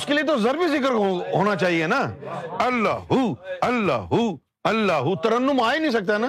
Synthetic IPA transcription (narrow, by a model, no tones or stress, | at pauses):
ʊʃkɪlit̪ozɐɾbizɪkəɾɦoːñat͡ʃaːɦienaːɐlːa̰ːɦuɐlːa̰ːɦu | ɐlːaːɦut̪ɐɾə̃nːũmaːinĩːs̬ɐk̚d̪anaː